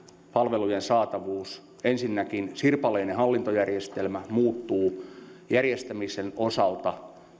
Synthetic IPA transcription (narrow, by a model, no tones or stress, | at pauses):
pɑlʋelujensɑːt̪ɑʋuːs | ensinːækinsirpɑleinehɑlːint̪ojærjest̪elmæmuːt̪ːuːjærjest̪æmisenosɑlt̪ɑ